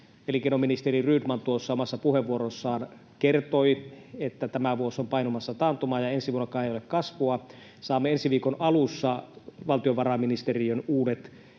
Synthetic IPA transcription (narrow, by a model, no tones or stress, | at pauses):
elikenominist̪eriryːdmɑnt̪uosːɑomɑsːɑpuheʋːuoɾosːɑːn | kert̪oiet̪ːæt̪æmæʋuosompɑinomɑsːɑt̪ɑːnt̪omɑːjɑensiʋuonokˑɑːnejolekkɑsʋuɑ | sɑːmːeensiʋiːkonɑlusːɑʋɑlt̪ioʋɑrɑminist̪eriønuːdet̪